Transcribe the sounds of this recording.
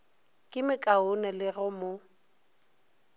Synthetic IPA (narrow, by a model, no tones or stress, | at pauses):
kʼɪmɪkʼaʊnɛlɪɣʊmo